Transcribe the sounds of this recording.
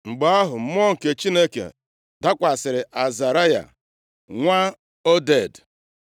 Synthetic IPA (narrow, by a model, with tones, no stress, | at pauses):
ŋ͡m̩˨ɡ͡ba˦a˦ɦʊ˨m̩˨˦m˦ɔ˦ŋ̩˨ke˨t͡ʃi˦ne˦kḛ˨ | da˦kʷa˨sɪ˨ɾɪ˨ʔa˨za˨ɾa˦ja̰˨ | ŋʷa˦ | o˦de˦˨d